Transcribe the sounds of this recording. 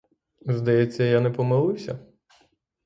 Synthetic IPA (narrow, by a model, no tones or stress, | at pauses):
zd̪ɐjɛt͡sʲːɐjanɛpɔmɪlˠɪwsʲɐ̰